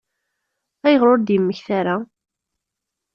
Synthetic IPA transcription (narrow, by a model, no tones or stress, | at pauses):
æjəʁɾoɾd̪jəmːəçθaɾa